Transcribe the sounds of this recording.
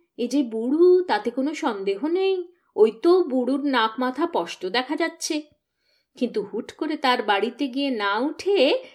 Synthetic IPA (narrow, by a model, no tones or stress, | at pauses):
ed͡ʑebuɽut̪at̪ekonoʃɔnd̪eɦonej | ojt̪obuɽuɾnakmat̪ʰapɔʃʈod̪ɛkʰad͡ʑatːɕʰe | kint̪uhuʈkoɾet̪aɾbaɽit̪eɡienauʈʰe